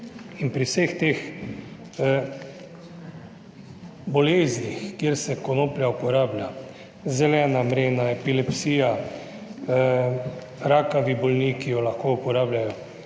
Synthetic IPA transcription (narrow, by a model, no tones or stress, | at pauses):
inpɾiwsext̪eːx | bɔleːznixkjeɾsɛkɔnoːpljaupɔɾaːblʲja | zɛlɛːnamɾeːnaɛpilɛpsiːja | ɾaːkaʋibɔlniːkijɔlaxkoupɔɾaːblʲjajɔ